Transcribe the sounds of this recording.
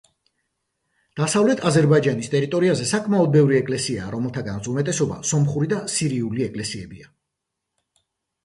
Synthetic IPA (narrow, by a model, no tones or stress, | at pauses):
d̪̥asavlɛt̪ʰazɛɾbaid͡ʒanist̪ʼɛɾit̪ʼɔɾiazɛsakʼmaɔd̪̚bɛvɾiɛkʼlɛsiaːɾɔmɛlˠt̪ʰaɡanat̪sumɛt̪ʼɛsɔba̰sɔmχuɾid̪asiɾiuliɛkʼlɛsiɛbia